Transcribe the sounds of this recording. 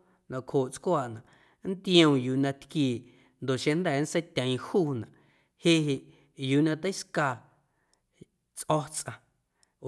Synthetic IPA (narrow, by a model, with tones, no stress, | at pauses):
nã˧˨khoː˨ʔt͡skwaː˧˨ʔnã˨ʔ | n̩˦t̪j̃õ˧˨juː˧˨nã˧t̪kiː˧˨ | nd̪o˨ʔʃẽ˧nd̪ɛː˦˨˦n̩˦sə˦jt̪ʲə̃˨ĩ˧huː˦nã˨ʔ | he˦ɦe˧ʔ | juː˨nã˧t̪ə˦jska˧˨ | t͡sʔɔ˦˧t͡sʔã˧